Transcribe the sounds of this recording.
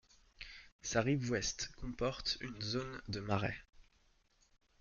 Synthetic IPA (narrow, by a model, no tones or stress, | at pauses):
saʁivwɛst̪kɔ̃pɔʁt̪ynzond̪əmaʁɛ̰